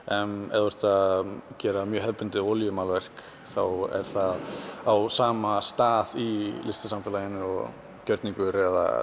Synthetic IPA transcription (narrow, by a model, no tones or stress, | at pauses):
ɛnɛ̰ðʏɾ̥t̪acɛːɾamjœːɦɛðpʏnt̪ɪɔljʏmaːlvɛr̥k | θawɛ̰ɾ̥θaðawsaːmast̪aːðilɪst̪ɪ̥samfɪːlajɪnːɪɔ | cœɾt̪nĩŋkʏɾɛða̰